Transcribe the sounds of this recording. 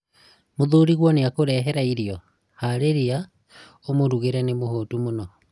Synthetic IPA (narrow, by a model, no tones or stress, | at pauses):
moðuɾiɣwɔneakoɾɛɦɛɾaiɾiɔ | haɾeɾia | omoɾuɣeɾɛnemohotumonɔ